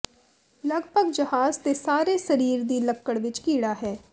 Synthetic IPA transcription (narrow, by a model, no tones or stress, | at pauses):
ləɡpəɡd͡ʒəɦaːzt̪eːsaːɾeːsəɾiːɾd̪iːləkːəɽʋɪt͡ʃkiːɽaːɦɛː